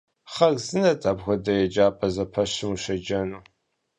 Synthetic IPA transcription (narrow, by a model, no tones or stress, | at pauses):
χɐɣzɨnɐtʼaːbɣʷɔdɐjɛd͡ʒaːpʼɐzɐpʰɐɕɪmuʃɐd͡ʒɐnuː